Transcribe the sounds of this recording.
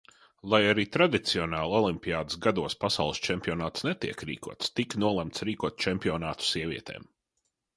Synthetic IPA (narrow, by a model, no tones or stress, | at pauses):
lˠajaɾiːt̪ɾad̪it̪siɔnaːlˠɔlˠimpʲiaːd̪ɨsɡad̪uɔspasawlˠst͡ʃɛmʲpʲiɔnaːt̪snɛt̪iɛkɾḭːkuɔt̪st̪iknuɔlˠɛmt̪sɾiːkuɔt̪̚t͡ʃɛmpiɔnaːt̪u̥siɛvʲḭɛt̪ḛːm